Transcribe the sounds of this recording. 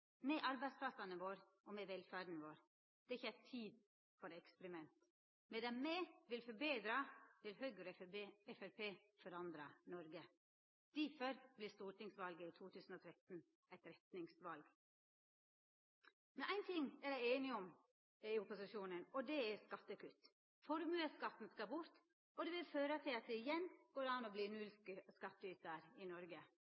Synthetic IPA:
mɛʔɑɾbæɪspʰlɑsɑnəʋoːɾʔɔmɛʋɛlfæːɖn̩ʋoːɾ | d̪̥ɛɾɪçːəæɪt̪ʰiːd̪ | fɔɾɛkspɾɪmɛnt̪ | mɛd̪ɛmmeʋɪlfɔɾbeːd̪ɾɑt̪ʰɪlhœʏɡəɾɛfæɾpʰeːfɔɾɑnd̪ɾɑnɔɾɡə | d̪̥ifœɾb̥lɪst̪uːʈɪŋsʋɑlɡəiːt̪ʰuːt̪ʰʉːsn̩ɔːt̪ʰɾɛt̪n | æɪt̪ɾɛt̪nɪŋsʋɑlɡ | mɛnʔæɪnt̪ʰɪŋæɾjæɪeːnɪɔm | ɪʊpʊsɪʃuːnənɔd̪ɛæskɑt̪ːəkʉt̪ | fɔɾmʉːəskɑt̪n̩skɑbʊɾt̪ | ɔd̪ɛʋɪlføːɾət̪ʰɪlɑt̪̚d̪ɛɪjɛnːɡ̥oːɾɑːnɔbliːnʉlskskɑt̪ːəyːt̪əɾɪnɔɾɡə

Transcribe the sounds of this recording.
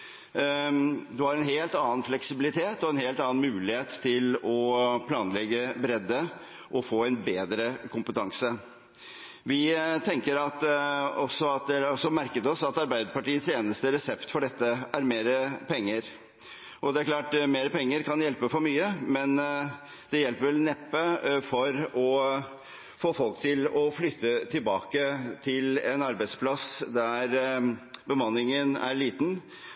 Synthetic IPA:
d̪ʉhɑɾɛnɦeːlt̪ɑːənflɛksɪbɪlɪt̪ʰeːt̪ɔɛnheːlt̪ɑːnmʉːlɪheːt̪ʰːɪlɔpʰlɑːnlɛɡəbɾɛd̪ːə | ʔɔfoːɛnbeːd̪ɾəkʰʊmpət̪ʰɑŋsə | ʋɪt̪ʰɛŋkəɾɑt̪ɔsːɔɑt̪̚d̪ɛɔsɔmæɾkət̪ɔsɑt̪ɑɾbæɪd̪əɾpɑʈiːət̪seːnəst̪əɾɛsɛpt̪fɔɖɛt̪ːəæɾmeːɾəpʰɛŋːəɾ | ʔɔd̪ɛæɾkʰlɑːʈmeːɾəpɛŋːəɾkʰɑnjɛlpəfɔɾmyːəmɛn | d̪̥ɛjɛlpəɾʋɛlnɛpːəfɔɾɔ | foːfɔlkt̪ʰɪlɔflʏt̪ːət̪ʰɪlbɑːkət̪ʰɪlɛnɑɾbæɪspʰlɑsd̪æɾ | bəmɑnːɪŋənæ̰ɾɭiːt̪n̩

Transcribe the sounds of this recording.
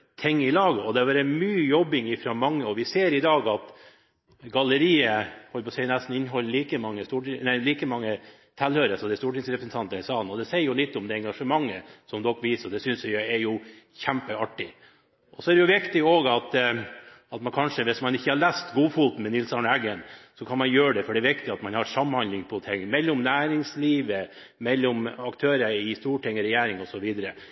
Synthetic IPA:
t̪ʰɪŋːɪlɑːɡəɔd̪ɛɑʋæɾɛnmyːjɔbːɪŋɪfɾoːmɑŋːəɔʋɪseːɾɪd̪ɑːɡɑt̪ | ɡɑləɾiːəhɔlpʰɔsɛɪnæst̪n̩ɪnːɦɔlːliːkəmɑŋːəst̪uːʈɪnæɪliːkəmɑŋːə | t̪ʰɛlhøːɾəsɔd̪ɛst̪uːʈɪŋsɾɛpɾsən̩t̪ʰɑnt̪əɛsɑːnɔd̪ɛsɛɪəɾjʊlɪt̪ːɔmd̪ɛɛŋɡɑʂəmɑŋːəsɔmd̪ɔkːʋiːsɔd̪ɛsʏnsʋɛɪɛɾjʊ | çæmpəɑʈːɪ | ʔɔsɔɛɾd̪ɛjʊʋɪkt̪ɪoːɡɑt̪ | ɑt̪mɑnkʰɑnʂəʋɪsmɑnɪçːəhɑɾɭæst̪ɡuːfuːt̪n̩mɛnɪlsɑnæɡənsɔkʰɑnmɑnjøːəɖɛfɔɖɛːɾʋɪkt̪ɪɑt̪mɑnhɑɾsɑmːhɑnd̪lɪŋpʰɔt̪ʰɪŋːmɛlːɔmnæːɾɪŋsliːʋə | mɛlːɔmɑkt̪ʰøːɾəɾɪst̪uːʈʰɪŋːəɾɛjæːɾɪŋɔsɔʋiːd̪əɾə

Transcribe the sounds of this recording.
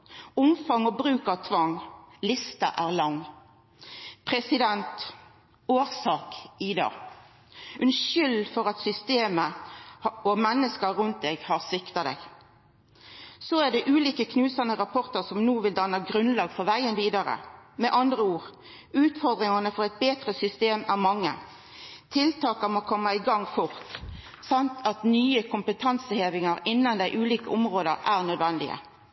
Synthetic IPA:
ʊmfɑŋɔbɾʉːkɑʋt̪ʰʋɑŋlɪst̪əʔæːʁlɑŋː | pʰʁɛsɪd̪ɛnt̪ | oːʁsɑːkɪd̪ɑ̰ː | ʉnʃʏlfɔʁɑt̪sʏst̪eːmə | ɔmɛnːəskəɾʉnt̪̚d̪eɡhɑʁsɪkt̪ɑd̪ɛ̰ɡ | sɔæʁɖ̪ɛʔʉːliːkəkʰnʉːsɑnəʁɑpʰɔʁt̪əʁsɔmnuːʋɪld̪ɑnɑɡɾʉnlɑːɡfɔʋæɪənʋiːd̪ɑɾə̰mɛʔɑnd̪ʁəuːʁ | ʉːt̪fɔʁd̪ʁɪŋɑnəfɔʁɛɪt̪̚beːt̪ʁəsʏst̪eːmæʁmɑŋːə̰ | t̪ʰɪlt̪ʰɑːkəmoːkʰɔmːəɪɡɑŋːkʰʊʁt̪ | sɑnt̪ʰɑt̪nyːəkʰʊmpət̪ʰɑnsəheːʋɪŋɑɾɪnːɑnd̪æɪʔʉːliːkəʊmʁoːd̪əʁʔæːʁnœd̪ʋɛnd̪ɪ̰ə̰

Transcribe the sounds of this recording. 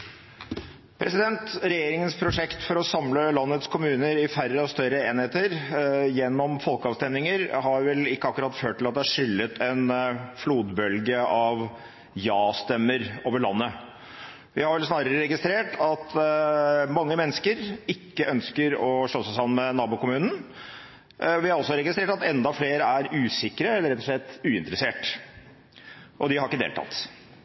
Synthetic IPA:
pʰɾɛsɪd̪ɛnt̪ɾɛjeːɾɪŋənspʰɾʊʂɛkt̪fɔɾɔsɑmləlɑnːət̪skʰʊmʉːnəɾɪfæɾːəɔst̪œɾəeːnheːt̪əɾjɛnːɔmfɔlkəɑːʋst̪ɛmnɪŋəɾɦɑɾʋɛlɪkːəɑkːʉɾɑt̪ːføːʈʰːɪlɑt̪̚d̪ɛæʂʏlːət̪ʰɛnfluːd̪bœlɡəɑʋ | jɑːst̪ɛmːəɾoːʋəɭɑnːə | ʋɪhɑɾʋɛlsnɑːɾəɾəɾɛɡɪst̪ɾeːʈʰɑt̪ | mɑŋːəmɛnːəskəɾɪkːəʔœnskəɾɔʂɭɔsəsɑmənmɛnɑːbʊːkʊmʉːnn̩ | ʋɪhɑɾɔsːɔɾɛɡɪst̪ɾeːʈɑt̪ɛnd̪ɑfleːɾəæɾʉːsɪkːɾəɛlːəɾɛt̪ːɔʂɭɛt̪ːʉːɪnt̪əɾəseːʈ | ʔɔd̪ɪhɑɾɪkːəd̪ḛːlt̪ʰɑ̰t̪

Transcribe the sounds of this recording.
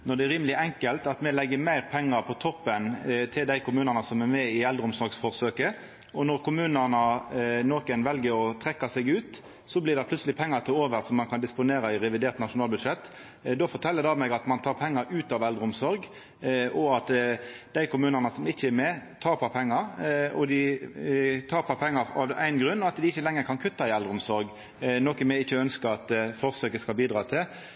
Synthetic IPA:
nɔd̪ɛːɾiːməlɪʔɛŋkəlt̪ɑt̪mɛlɛɡːəmæɪɾpʰɛŋːɑɾpʰɔt̪ʰɔpːənt̪ʰɪld̪æɪkʰʊmʉːnɑnəsɔmɛmɛɪɛld̪ɾəʊmsɔɾɡsfɔʁsøːkə | ɔnɔʁkʰʊmʉːnənɑnoːkənʋɛlɡəɾɔt̪ʰʁɛkːɑsɛɡʉːt̪ | sɔblɪːd̪ɛplʉt̪səlɪpʰɛŋːɑɾt̪ʰɪloːʋəɾʁsɔmːɑnkʰɑnd̪ɪspʊneːɾɑɪɾɛʋɪd̪eːɾt̪nɑʂʊnɑːlbʉd̪ʂɛt̪ː | d̪oːfɔʁt̪ʰɛlːəd̪ɑmæɡɑt̪mɑnt̪ʰɑːʁpʰɛŋːɑɾʉːt̪ɑʋɛld̪ʁəʊmsɔɾɡ | ʔɔɑt̪d̪̥æɪkʰʊmʉːnɑnəsɔmɪçːəɛɾmet̪ʰɑːɾpʰɑpʰɛŋːɑɾɔ̰d̪ɪ | t̪ʰɑːɾpʰɑpʰɛŋːɑɑ̰ʋæ̰ɪnɡɾʉnːɔɑt̪d̪ɪɪçːəlɛŋːəkʰɑnkʰʉt̪ːɑɪɛld̪ʁəʊmsɔɾɡ | nɔkəmɛɪçːəœnskəɾɑt̪fɔʁsøːkəskɑlbiːd̪ʁɑːt̪ʰɪl

